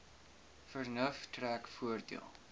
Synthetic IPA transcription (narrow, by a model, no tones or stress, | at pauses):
fərnəftrækfuərdḭəlˠ